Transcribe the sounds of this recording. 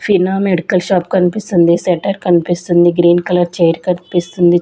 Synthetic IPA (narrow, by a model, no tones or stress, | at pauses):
finaːmeɖikɐlʃaːp̚kɐnpist̪und̪iseʈɐɾkɐnipist̪und̪iɡɾiːnkɐlɐɾt͡ʃejɐɾkɐnpist̪und̪i